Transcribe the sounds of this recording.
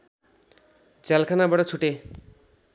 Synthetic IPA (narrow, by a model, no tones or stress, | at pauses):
d͡zalkʰanabʌʈʌt͡sʰuʈe